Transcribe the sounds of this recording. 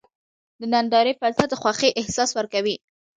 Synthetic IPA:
d̪ənand̪ɑɾepalt̪ad̪əxwɑxeʔɪhsɑswəɾkawi

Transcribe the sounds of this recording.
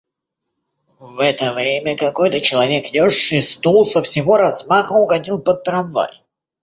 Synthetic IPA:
vɛt̪əvɾʲemʲəkɐko̞jt̪ət͡ɕɪlˠɐvʲekdʲoʂːɨst̪ulˠsəfsʲɪvoɾɐzmaxəʊɡɐdʲilˠpət̪̚t̪ːɾɐnva̰j

